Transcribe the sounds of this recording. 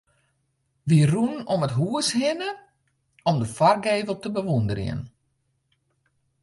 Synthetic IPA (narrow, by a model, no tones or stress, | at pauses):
ʋirunnɔmətɦuəshɪnə | ɔmdəfarɡeːvəlˠtəbəʋundərj̰ə̰n